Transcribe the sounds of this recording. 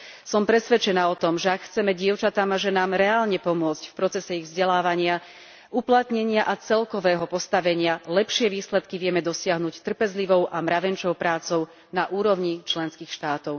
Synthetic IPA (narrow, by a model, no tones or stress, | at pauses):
sɔmpɾɛsʋɛt͡ʃɛnaːɔt̪ɔmʒɛakxt͡sɛmɛɟɪɛʊt͡ʃat̪amaʒɛnaːmɾɛaːlɲɛpɔmʊɔt͡scfpɾɔt͡sɛsɛiɣvzɟɛlaːʋaɲɪa | ʔuplat̪ɲɛɲɪaʔat͡sɛlkɔʋɛːɦɔpɔst̪aʋɛɲɪalɛpʃɪɛʋiːslɛt̪kiʋɪɛmɛd̪ɔsɪaɦnuct̪r̩pɛzliʋɔʊʔamɾaʋɛnt͡ʃɔʊpɾaːt͡sɔʊ | naʔuːɾɔʊɲit͡ʃlɛnskiːxʃt̪aːt̪ɔʊ